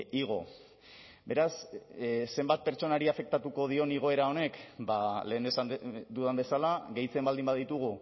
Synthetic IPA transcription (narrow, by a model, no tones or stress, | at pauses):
iɣ̞o̞̰ | be̞ɾas | se̞mbat̪̚pe̞ɾt͡ʃo̞naɾiafe̞k̚t̪at̪uko̞ð̞io̞niɣ̞o̞eɾao̞ne̞kba̰le̞ːnd̪esand̪uðambe̞salaɣe̞jt͡se̞mbald̪imbaðit̪uɣ̞u